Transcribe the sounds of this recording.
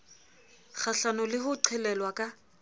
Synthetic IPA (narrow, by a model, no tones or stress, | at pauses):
χʰaɬanɔlɪhʊǃʰɛlɛlwakʼa